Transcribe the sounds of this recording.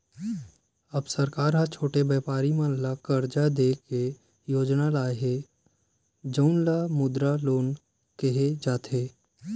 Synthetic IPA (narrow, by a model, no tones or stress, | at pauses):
ɐbsɐɾkaːɾɦãt͡ʃʰoːʈebɛːpaːɾimãlakəɾd͡ʒad̪eːke | joːd͡ʒnalaːɦe | d͡ʒəʊnlamʊd̪ɾaloːn | keɦed͡ʒaːt̪eː